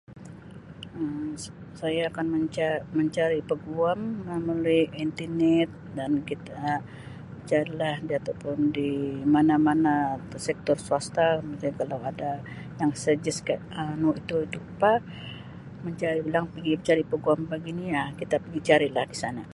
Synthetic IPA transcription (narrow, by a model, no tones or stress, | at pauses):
əmsajaːkanməɲt͡ʃaməɲt͡ʃaɾipəɡuaməməlujint̪inɛt̪̚dankit̪a | t͡ʃaɾilahdiat̪awpʊndimanamanasɛk̚t̪ɔrsuast̪akəmuk̪akalawada | jaŋsəd͡ʒɪskaʔənoit̪uit̪upa | məɲt͡ʃaɾibəlaŋpəɡiməɲt͡ʃaɾipəɡuampaɡinijakit̪apəɡit͡ʃaɾilahdisana